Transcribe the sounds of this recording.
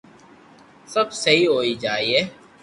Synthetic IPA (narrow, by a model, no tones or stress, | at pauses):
sɐbsɐɦiɦoːid͡ʒaːieː